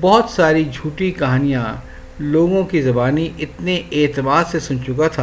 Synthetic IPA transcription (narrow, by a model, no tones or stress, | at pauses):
bɔɦɔt̪saːɾid͡ʒʱuːʈikɐɦaːnijã | loːɡõkizɐbaːniʔɪt̪neʔeːt̪ɪmaːd̪sesʊnt͡ʃʊkat̪ʰaː